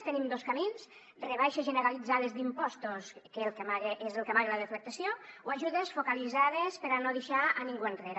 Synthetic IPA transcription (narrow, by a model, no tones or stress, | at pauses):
t̪enimd̪oskamins | reβ̞ajʃezʒeneɾalid͡zaðezd̪impɔst̪oskelˠkemaɣeʔezelˠkemaɣelaðeflek̚t̪asjowaʒuðesfokalizað̞espeɾanoðeʃaaniŋɡuent̪reɾ